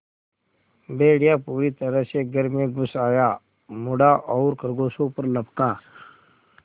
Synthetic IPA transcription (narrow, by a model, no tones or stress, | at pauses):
beːɽjapuːɾit̪əɾəɦseɡəɾmẽɡʱʊsaːjaː | mʊɽaʔɔːɾkəɾɡoːsõpəɾlɐpkaː